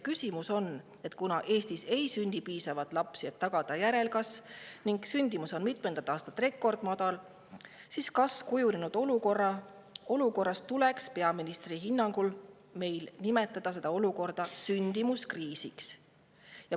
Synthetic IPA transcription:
kysimuso̞n | e̞t̪ˑkunɑʔe̞ːst̪ise̞jsynʲd̪̥ipiːsɑvɑt̪ːˑlɑpsie̞t̪ːɑɡ̥ɑd̪̥ɑjæɾe̞lkɑsniŋɡsynʲd̪̥imuso̞nmit̪mend̪ɑt̪ːˑɑːst̪ɑt̪ːˑre̞kˑːo̞rd̪̥mɑd̪̥ɑl | siskɑskujuninud̪̥o̞luko̞rːɑ | o̞luko̞rːɑst̪t̪ule̞kspe̞ɑminist̪riɦinːɑŋɡ̥ul | me̞jlnime̞t̪ːˑɑd̪̥ɑs̬e̞d̪ɑo̞luko̞rd̪̥ɑsynʲd̪̥imuskriːsiks | jɑ

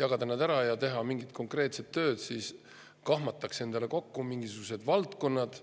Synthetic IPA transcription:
jɑɡ̥ɑd̪ɑnɑd̪æɾɑjɑt̪e̞ɦɑmiŋɡit̪̚ko̞ŋkre̞ːt̪set̪ːø̞ːd̪̥siːs | kɑɦmɑt̪ːˑɑkse̞nd̪̥eleko̞kːumiŋɡisuɡ̥us̬e̞d̪vɑlt̪ko̞nːɑd̪̥

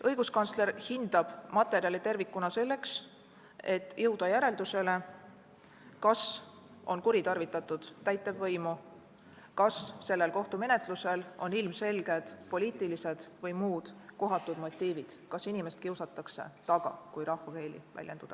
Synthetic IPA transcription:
ɤjɡ̥uskɑnsle̞rhind̪̥ɑb̥mɑt̪ːˑe̞ɾiɑlit̪e̞rvikːˑunɑse̞lːe̞ks | e̞t̪ːjɤwd̪̥ɑjæɾe̞ld̪use̞le̞ | kɑs | o̞nkuɾit̪ɑrvit̪ːˑɑt̪ːˑud̪̥ːæjt̪ːˑevːɤjmu | kɑsːe̞lːe̞lko̞ht̪ume̞ne̞t̪ˑluse̞lo̞nilmse̞lɡ̥e̞d̪̥po̞lʲiːt̪ˑilise̞d̪̥vɤjmuːd̪̥ko̞ɦɑt̪ːˑud̪̥mo̞t̪ʲˑːiːvid̪̥kɑsinime̞st̪kiuwsɑt̪ːˑɑkse̞̰t̪ɑɡ̥ɑ̰kujɾɑhvɑke̞ːlḭvæ̰lje̞nd̪ud̪̥ɑ

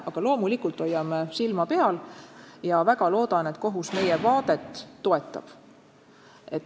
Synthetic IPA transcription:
ɑɡ̥ɑlo̞ːmulikult̪ːˑo̞jːɑmesilmɑpe̞ɑljɑvæɡ̥ɑlo̞ːd̪̥ɑne̞t̪ko̞ɦusme̞jevɑːd̪̥e̞t̪ːo̞e̞t̪ːˑɑ̰b̥ | e̞t̪

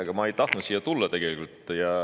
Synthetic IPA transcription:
ɡ̥ɑmɑe̞jt̪ɑht̪nut̪sijːɑt̪ulːɑt̪e̞ɡ̥e̞likult̪ˑjɑ

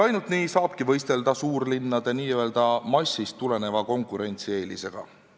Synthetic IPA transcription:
ɑjnult̪niːsɑːb̥kivɤ̞jst̪e̞ld̪̥ɑsuːrlinːɑd̪̥e̞niːøeld̪̥ɑmɑsːist̪ːule̞ne̞vɑko̞ŋkˑuɾe̞nʲt̪sie̞ːlḭse̞ɡ̥ɑ̰

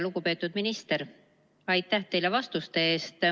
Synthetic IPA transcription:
luɡ̥upe̞ːt̪ːˑud̪̥minist̪e̞ɾ | ɑjt̪ːæht̪e̞jle̞vɑst̪ust̪e̞eːst̪

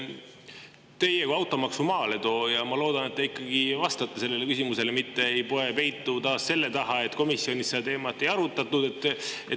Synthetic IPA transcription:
t̪e̞je̞kuɑwt̪ːˑo̞mɑksumɑːle̞t̪o̞ːjɑmɑlo̞ːd̪ɑne̞t̪̚ːeikːˑɑɡ̥ivɑst̪ɑt̪ːˑese̞lːe̞lekysimuse̞lemit̪ːe̞ejpo̞e̞pe̞jt̪ːˑut̪ɑːsse̞lːe̞t̪ɑɦɑe̞t̪ːˑko̞misːio̞nʲisːeɑt̪e̞ːmɑt̪ːˑe̞jɑɾut̪ːˑɑt̪ːˑud̪̥e̞t̪ːe

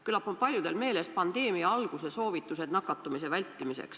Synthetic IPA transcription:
kylːɑpːonpɑlʲjud̪e̞lme̞ːle̞spɑnd̪̥e̞ːmiɑɑlɡ̥useso̞ːvit̪ːˑuse̞d̪̥nɑkːˑɑt̪ːˑumise̞vælʲt̪ːˑimisḛks

